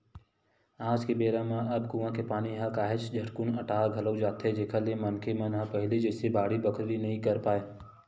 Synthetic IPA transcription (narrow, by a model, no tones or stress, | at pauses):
aːd͡ʒkebeːɾãmãʔɐbɡuːãkepaːniɦãkaːɦɪt͡ʃd͡ʒʱɐʈkʊnɐʈaːɡʱɐləwd͡ʒaːt̪ɦed͡ʒeːkʰalemɐnkʰemɐnɦãpɐɦɪlid͡ʒɛːsebaːɽibəkʰɾɾinɐɦĩkɐɾpaːeː